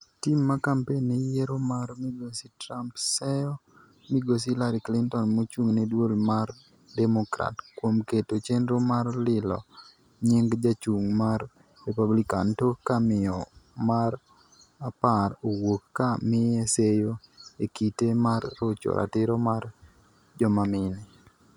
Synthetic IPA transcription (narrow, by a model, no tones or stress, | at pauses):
timːakampenːejɛɾomaɾmiɡositɾampsɛjɔ | miɡos̬ilaɾiklɪntɔnmot͡ʃuŋnedwolmar | dɛmokɾa̰tkwomketot͡ʃenɾomarlɪlɔ̰ | ɲeŋɡd͡ʒat͡ʃuŋmarː | ɛpablikantokamɪɔmar | apaɾowokːamɪɛsejoekitemarːot͡ʃo̰ɾʔa̰tɪɾɔmar | d͡ʒɔmamɪnɛ